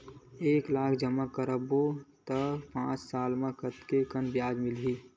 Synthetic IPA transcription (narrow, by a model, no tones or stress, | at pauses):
eːklaːkʰd͡ʒəmakəɾəbot̪əpãːt͡ʃsaːlmãkət̪kekənbjaːd͡ʒmɪlɦiː